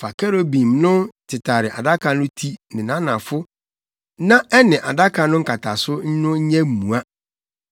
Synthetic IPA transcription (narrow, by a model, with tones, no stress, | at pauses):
fa˨kɛ˦ɾo˦bĩ˨mnʊ̃˦tʰɪ˨tʰa˨ɾɪ˨ʔa˨da˦kʰa˨nʊ̃˦tʰi˦nɪ̃˨nã˦nã˨fʊ˦ | nã˦ɛ˦nɪ̃˨ʔa˨da˦kʰa˨nʊ̃˦ŋ̩˦kʰa˨tʰa˨sʊ˦ɲ̩˦nʊ̃˦ɲ̩˦ɲɛ̃˦m̩˨mũ˨a˦